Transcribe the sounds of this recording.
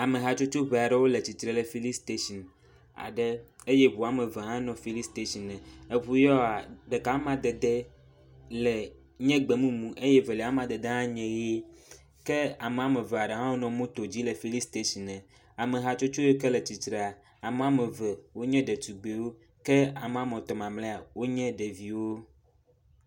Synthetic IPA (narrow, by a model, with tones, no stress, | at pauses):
a˨mẽ˨ɦa˨t͡ʃo˦t͡ʃo˦βɛ˨a˨ɖɛ˦wo˦le˨t͡ɕi˨t̪ɾɛ˨lɛ˨fi˦li˦st̪e˦ʃi˨n | a̰˨ɖɛ˦e˦jɛ˦βo˨a˨mɛ̃˨vɛ˨ɦã˦nɔ̃˨fi˨li˦st̪e˦ʃi˨nːɛ̃˨e˦ɸu˨jɔ˦a˨ɖɛ˨ka˨˦mã˨d̪ɛ˨d̪ɛ˦ | lɛ˨ | ɲɛ̃˦ɡ͡bɛ˨mũ˦mũ˨ʔe˦jɛ˦vɛ˨lɛ˨a˦mã˨d̪e˨d̪e˦ɦã˦ɲɛ̃˨je˦ | kɛ˦a˨me˨a˨mɛ˨ve˨a˨ɖe˨ɦã˦wo˦nɔ̃˨mũ˦t̪o˨d͡ʑi˦lɛ˨fi˦li˦st̪e˦si˨nɛ̃˨ | a˨me˨ɦa˦t͡ʃo˦t͡ʃo˦je˦kɛ˦lɛ˨t͡ɕi˨t̪ɾe˨a˨ | a˨m˨a˦mɛ˨vɛ˨wo˦ɲɛ̃˦ɖɛ˨t̪u˨ɡ͡be˨wo˦ | kɛ˦a˨me˨a˨mɔ̃˨t̪ɔ˨mã˨mlɛ˦a˨wo˦ɲɛ̃˦ɖɛ˨vi˨wo˦